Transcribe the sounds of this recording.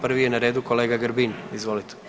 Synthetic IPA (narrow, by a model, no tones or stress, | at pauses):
pr̩ʋijenaɾeːd̪uko̞le̞ːɡaɡəɾbinizʋo̞lit̪e̥